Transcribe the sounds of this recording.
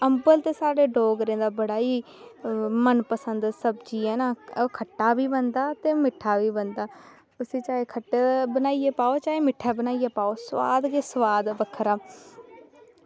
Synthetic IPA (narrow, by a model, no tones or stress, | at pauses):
əmbəlt̪eːsaːɖeːɖoːɡɾẽːd̪aːbəɽaːiː | mənpəsənd̪səbd͡ʒiːɛːnaːokʰəʈːaːʋiːbənd̪aːt̪eːmɪʈʰːaːʋiːbənd̪aː | ʊsĩːt͡ʃaːeːkʰəʈːeːbənaːieːpaːoːt͡ʃaːeːmɪʈʰaːbənaːieːpaːoːsəʋaːd̪keːsəʋaːd̪bəkʰːɾaː